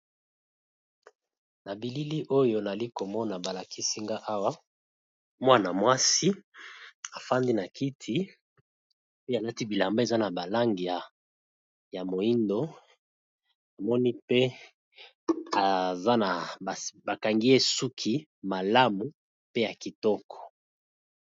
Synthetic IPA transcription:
na˨bi˨li˦li˦ʔo˦jo˨na˨li˦ko˨mɔ˦na˨ba˨la˨kʰi˦si˦ŋɡa˦ʔa˦wa˦ | mwa˦na˨mwa˦si˦ | a˨fa˦ndi˦na˨ki˦tʰi˦ | pe˦a˨la˦ti˦bi˨la˨mba˦e˨za˦na˨ba˨la˦ŋɡi˨ja˨ | ja˨mo˨i˦ndo˦ | na˨mɔ˦ni˦pe˦ | a˨za˦na˨a˨ba˨ka˨ŋɡi˦e˦su˦kʰi˦ | ma˨la˦mu˨ | pe˦ja˨ki˨tɔ˦kɔ̥˨

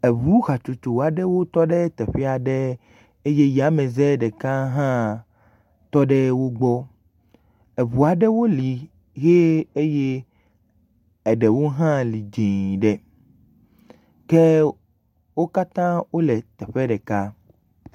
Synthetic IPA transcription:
e˨βu˦ɣa˨t͡ʃu˨t͡ʃo˨a˨ɖɛ˦wo˦t̪ɔ˦ɖɛ˦t̪ɛ˨ɸɛ˦a˨ɖe˦ | e˦je˦ja˨˦mẽ˨zɛ˦ɖɛ˨ka˦ɦã˦ | t̪ɔ˦ɖɛ˦wo˦ɡ͡bɔ˦ | e˨βu˨a˨ɖɛ˦wo˦li˨ | ɣe˦e˦je˦ | ɛ˨ɖɛ˨wo˦ɦã˦li˨d͡ʒĩ˨ɖɛ˨ | ke˦ | wo˦ka˦t̪ã˦wo˦lɛ˨t̪ɛ˨ɸɛ˦ɖɛ˨ka˦

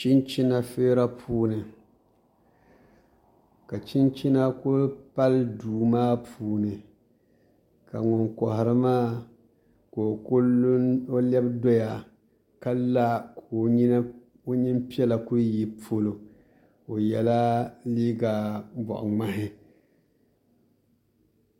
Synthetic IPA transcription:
t͡ʃi˦nt͡ʃi˦na˦feː˦ɾa˦pʰuː˦nɨ˨ | ka˨t͡ʃi˦nt͡ʃi˦na˦ko˦pa˦lduː˨maː˦puː˦nɨ˨ | ka˨ŋɔ˨ŋkɔ˨hɪ˨ɾɨ˦maː˦ | ko˨ko˦o˦lɛ˦bdo˦ja˨ | ka˦la˦kʰo˨˦ɲi˦n˦ | o˦ɲi˦m˦pi˦ɛ˦la˨ku˦ɾi˦ji˦po˦lo˨ | o˨jɛ˨la˦liː˦ɡa˨bɔ̰˨ʔʊ̰˨ŋa˦ɦɪ˦

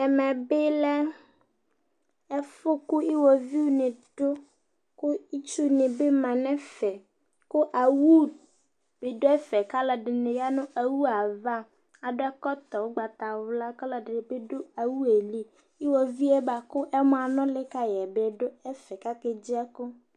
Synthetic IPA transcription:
ɛ˨mɛ̃˨be˦lɛ˦ | ɛ˦fʊ˦ko˦i˦wɔ˨vi˦wo˦nẽ˨ɖ̥o˦ | ko˦i˦t͡ʃu˦nẽ˨be˦mã˨nɛ̃˦fɛ˨ | ko˦ʔa˨wu˦ | b̥e˨ɖo˦ɛ˦fɛ˨ka˦la˨ɖɪ˨nẽ˨ja˦nʊ̃˦ʔa˨wu˦a˨va˦ | a˨dʊ˦ɛ˦kɔ˦t̪ɔ˨wo˦ɡ͡ba˨t̪a˨wo˨la˦ka˦la˦ɖɪ˨be˦ɖo˦a˨wu˦e˨li˦ | i˦wɔ˨vi˦ɛ˦ba˨kʊ˦ʔɛ˦mɔ̃˦˨a˨nɔ̃˦le˦ka˦jɛ˨bɛ˨ɖo˦ɛ˦fɛ˨ka˦ke˨d͡ʑi˦ɛ˦ko˦

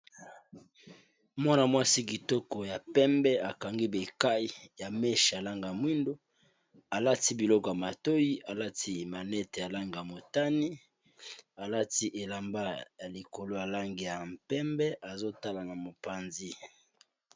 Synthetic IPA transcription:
mɔ˦na˨mwa˦si˦ki˨tɔ˦kɔ˨ja˨pɛ˦mbɛ˦a˨ka˨ŋɡi˦be˨ka˦i˨ja˨mɛ˦ʃja˨la˦ŋɡa˨mwi˦ndo˦ | a˨la˦ti˦bi˨lɔ˦kɔ˨ja˨ma˨to˦ji˦a˨la˦ti˦ma˨nɛ˦te˨ja˨la˦ŋɡa˨ja˨mo˨ta˦ni˦ | a˨la˦ti˦ʔe˨la˨mba˦ja˨li˨ko˨lo˦ja˨la˦ŋɡi˨ja˨mpɛ˦mbɛ˦ʔa˨zo˦ta˦la˨na˨mo˨pa˨nzi˦

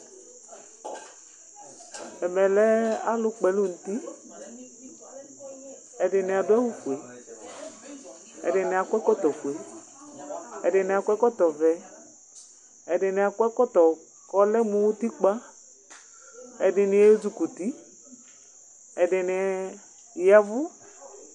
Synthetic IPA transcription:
ɛ˨mɛ˨lɛ˦a˦lʊ˦k͡pɛ˨lʊ˦n̩˨t̪i˦ | ɛ˨dɪ˨nɪ˨a˨dʊ˦a˦wu˦ku˨e˨ | ɛ̰˨dɪ˨nɪ˨a˨kʷɛ˦kɔ˦t̪ɔ˨kwe˨˦ | ɛ˨dɪ˨nɪ˨a˨kʷɛ˦kɔ˦t̪ɔ˨vɛ˨ | ɛ˨dɪ˨nɪ˨a˨kʷɛ˦kɔ˦t̪ɔ˨ | kɔ˦lɛ˦mũ˦wu˦t̪i˦k͡pa˦ | ɛ˨dɪ˨nɪ˨ɛ˦d͡ʒu˨ku˨t̪i˦ | ɛ˨dɪ˨nɪ˨ɛ˨ | ja˦vʊ˦

